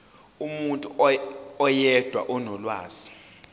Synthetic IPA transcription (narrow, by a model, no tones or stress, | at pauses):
umuntʼuɔjɛd̥ʱwa̰ʔɔnɔlwaːz̥i̥